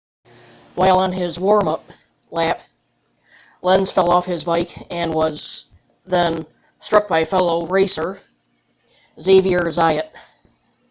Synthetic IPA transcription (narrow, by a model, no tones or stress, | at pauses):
waɪlˠə̃nɪzwɔɹmʌp̚ | læp | lɛ̃nz̥fɛlˠɔfhɪzbaɪkɨ̃nwʌz | ðɨ̃n | stɹ̥ʌk̚b̥aɪfɛlˠoʊɹeɪsə˞ | zeɪviə˞zaɪɨt̚